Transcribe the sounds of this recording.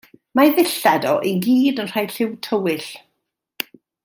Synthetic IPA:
maðɪɬadɔʔeɡiːdənr̥ajɬɪwtʰəwɪɬ

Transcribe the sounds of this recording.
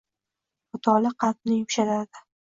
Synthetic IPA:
ʊt̪ʰɒlɪqʰɑt̪̚nɪjʊmʃalad̪ɪ

